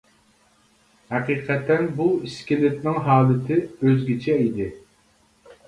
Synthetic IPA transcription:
hɛqiːqʰɛt̪ːɛnbuiskʲɪlɪt̪nɪŋɦɑːlˠɪt̪ʰɪøzɡʲit͡ʃʰɛid̪ɪ

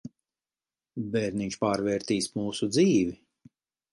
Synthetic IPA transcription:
bɛɾniɲt͡ʃpaːɾvɛːɾt̪iːsmuːsud̪ziːvi

